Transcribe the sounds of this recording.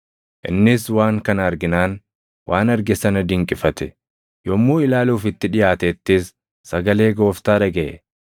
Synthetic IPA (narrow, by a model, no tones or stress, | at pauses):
ʔɪ̰nːɪswaːŋkɐnɐɾɡɪnaːn | wʔaːnɐɾɡɛsɐnɐd̪ɪŋkʼɪfɐt̪ɛ̥ | jɔmːuːɪlaːluːfɪt̪ːɪᶑɪjaːt̪ɛːt̪ːɪsː | ɐɡɐle̞ːɡo̞ːft̪aːᶑɐɡɛʔɛ